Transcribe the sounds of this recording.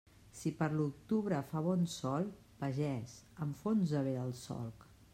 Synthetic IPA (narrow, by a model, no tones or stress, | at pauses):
sipəɾluk̚t̪uβɾəfaβɔnsɔlˠ | pəʒɛzəmɱfonzəβeðəlˠsɔ̰lˠk